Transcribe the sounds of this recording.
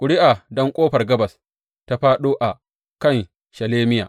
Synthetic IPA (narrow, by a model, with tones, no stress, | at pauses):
kʷʼʊ˨ɽɪ˦ʔa˨dɔ˦ŋkʷʼoː˦ɸɐ˨rɡɐ˦bɐ˨s | ta˦ɸaː˦ɗoː˦ʔa˨ | kɐ˦˨n | ʃɐ˨leː˦mɪ˦ja̰ː˨